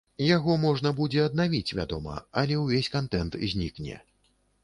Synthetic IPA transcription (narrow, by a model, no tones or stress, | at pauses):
jaɣɔmɔʐnɐbud͡zʲɛɐd̪navʲit͡sʲvʲa̰d̪ɔmɐ̰ɐlʲɛwvʲesʲkant̪ɛnt̪zʲnʲiknʲɛ̰